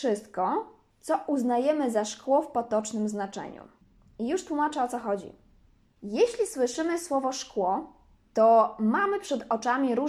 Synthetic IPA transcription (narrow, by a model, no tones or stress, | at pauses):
ʂɘst̪̚kɔ | t̪sɔʔuznajɛmɘzaʂkwɔfpɔt̪ɔt͡ʂnɘmznat͡ʂɛ̰ɲṵ | ijuʂt̪wumat͡ʂɛɔt̪sɔxɔd͡ʑḭ | jeɕlʲiswɘʂɘmɘswɔvɔʂkwɔ | t̪ɔmamɘpʂɛd̪ɔt͡ʂamʲiɾu